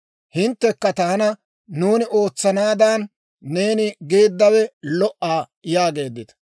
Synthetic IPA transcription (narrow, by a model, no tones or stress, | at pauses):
hɪnt̪ːɛkːɐt̪ɐhɐnɐ | nuːnɪʔo̞ːt͡sːɐnaːd̪aːnː | e̞ːnɪɡe̞ːd̪ːɐwɛlɔʔaː | jaːɡe̞ːd̪ːɪt̪ɐ̥